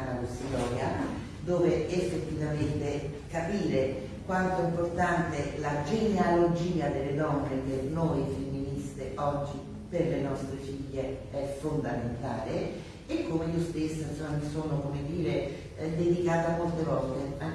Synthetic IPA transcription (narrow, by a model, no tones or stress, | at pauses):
nalosilɔːɾja | d̪oːveefːet̪ːivament̪e | kapiːɾe | kwant̪oimport̪ant̪elad͡ʒenealod͡ʒiːad̪elːed̪ɔnːek̟enojfemːinist̪eʔɔd͡ʒːi | perlenɔst̪ɾet͡ʃiviːeɛfond̪ament̪a̰ːle | ekːomeiːost̪esːoinsomːamisoːnokomed̪iːɾe | d̪ed̪ikaːt̪omolt̪evɔlt̪ea